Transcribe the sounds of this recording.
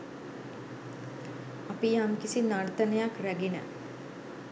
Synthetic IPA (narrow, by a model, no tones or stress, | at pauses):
apijaŋkisinart̪ənəjakræɡenə̰